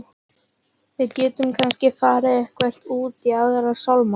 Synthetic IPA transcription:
vɪðcɛːt̪ʏmkʰanscɪfaːɾɪðɛhkvɛr̥t̪uːt̪iaðɛɾasawlma

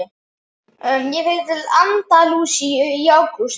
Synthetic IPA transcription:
œmjɛvejt̪ɪlant̪aluːsijawkus

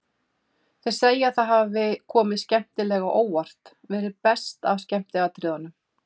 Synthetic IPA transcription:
θe̥seːjaaðθaðɦavɪkʰɔːmɪðscɛm̥t̪ɪlɛɣaʔoːwar̥t̪ | vɛːɾɪðpɛst̪avscɛm̥t̪lɛɣat̪ʰɾɪːðanʏm

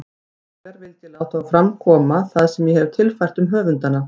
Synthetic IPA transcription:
ɛkaɾvɪlt̪ɪlawht̪afɾamkʰɔːmaθaðsɛmjɛhɛvɾ̥t̪ʰɪlfajr̥t̪ʏmɦœːvʏnt̪ana

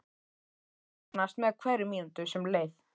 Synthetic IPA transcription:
knast̪mɛðkʰvɛɾʏmiːnt̪ʏsɛmleːjθ

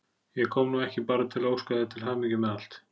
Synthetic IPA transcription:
jɛkʰɔːmnuɛhcɪpaːɾat̪ʰɪlaoːwskœðɪt̪ʰɪlɦaːmicʏmɛðal̥t̪

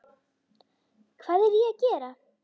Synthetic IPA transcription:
kʰvaːðɛɾiacɛːɾa

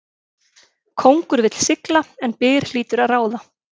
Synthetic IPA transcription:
kʰowŋkʏɾvɪt̪l̥sɪklaɛnpɪːɣɾ̥l̥iːt̪ʏɾaðraːwða

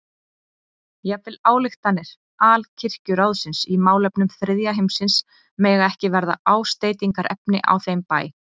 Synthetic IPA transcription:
jɛvɪlaːwlɪxt̪anːɛɾ̥ | ʔaːlcʰɪr̥cʏɾawðsɪnsimaːwlɛpnʏmθɾɪðjaɦejmsɪns | mɛːɣaɛhcɪvɛɾða̰aːwst̪eːjt̪iŋkaɾʔɛpnɪʔa̰wθejmpaːj

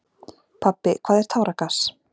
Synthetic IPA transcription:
pʰapːɪkʰv̥aːðɛɾ̥t̪ʰaːwɾakas

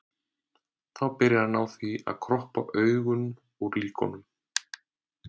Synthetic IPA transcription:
θawpɪɾɪðanawθvia̰ðkʰɾɔhpa̰ʔœːɥɣʏm | uɾliːkɔ̰nʏm

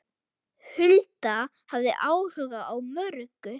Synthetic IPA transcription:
hʏlt̪a | havðɪ̰ʔaːwhœːɣaʔawmœɾkʏ

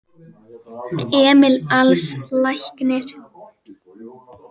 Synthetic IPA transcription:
ɛːmɪlalslajhknɪɾ̥

